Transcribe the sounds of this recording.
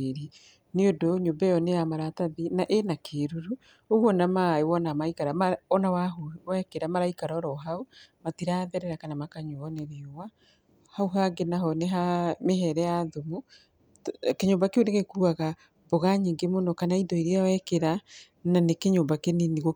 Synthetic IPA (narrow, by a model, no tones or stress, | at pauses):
eɾi | neodoɲoːmbɛjɔnejamaɾataðinaʔenakʰeːɾuɾu | oɣwɔnamaewɔnamaikaɾamaɔnawaɦowɛkeɾamaɾaikaɾɔɾɔɦaomatiɾaðɛɾɛɾakanamakaɲoɔneɾeowa | hauɦaɡenaɦɔneɦameɦɛɾɛjaðomu | keɲoːmbakeoneɣekuaɣa | boɣaɲiːŋɡemonɔkanaidɔiɾeawɛkeɾa | nanekeɲoːmbakeneneɣo